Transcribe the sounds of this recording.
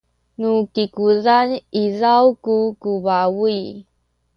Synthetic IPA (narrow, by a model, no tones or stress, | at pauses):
nukikuzanizawkukuvawui